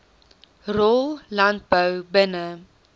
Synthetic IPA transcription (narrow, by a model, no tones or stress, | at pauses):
rɔllɐnt̚bəwbənə